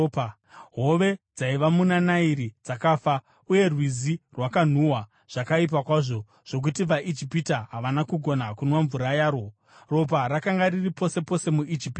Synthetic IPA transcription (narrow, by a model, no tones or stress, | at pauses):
pa | ɦo̞ʋe̞d͡zaiʋamunanaiɾid͡zakaːfa | uje̞rwizirwakan̤uwa | ʐ̥akaip̬akwaʐo̞ | ʐ̥o̞k̬utiʋaʔid͡ʒipitaɦaʋanakuɡʱo̞nakunwaɱvuɾajaːɾo | ro̞p̬aɾakaŋɡariripo̞se̞po̞se̞muʔid͡ʒipː